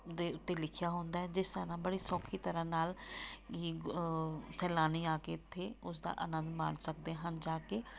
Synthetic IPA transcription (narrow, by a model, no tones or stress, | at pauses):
d̪eːʊt̪ːeːlɪkʰɪjaːɦõːnd̪aːɛːd͡ʒɪst̪əɾãːbəɽiːsɔːkʰːiːt̪əɾãːnaːliː | sɛːlaːniːaːkeːt̪ʰːeːʊs̬d̪a̰ːʔənə̃nd̪ma̰ːɳsək̚d̪eːɦənd͡ʒaːkeː